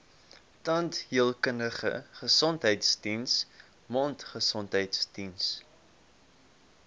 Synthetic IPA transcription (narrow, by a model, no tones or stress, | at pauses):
tɐntɦiəlˠkənəχə̰χəsɔntɦəjtsdins | mɔntχəsɔntɦəjtsdins